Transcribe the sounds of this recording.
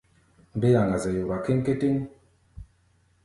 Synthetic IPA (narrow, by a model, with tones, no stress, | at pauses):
m̩˦be˦ja˨ŋɡa˨zɛ˨jo˨ɾa˨ki˦ŋ˦ke˦ti˦ŋ